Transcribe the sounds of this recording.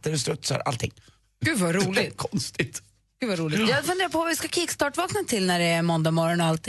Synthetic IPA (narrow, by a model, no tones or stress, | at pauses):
t̪əɾʉst̪ɾɵt̪sa̰ɾa̰lt̪ʰɪ̰ŋː | ɡ̥ʉ̟ːvaɾuːlɪkʰɔnst̪ɪt̪ | ɡ̥ʉːvaɾuːlɪjɑːfœnd̪eːɾapʰɔvɪskakʰɪkst̪ɑːʈvɑːknət̪ʰɪlnæɖɛːɾmɔnd̪amɔɾɔnɔalt̪